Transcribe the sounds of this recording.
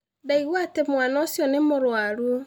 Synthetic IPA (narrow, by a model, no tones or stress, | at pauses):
daiɣwatemwanasjɔnemoɾwaɾu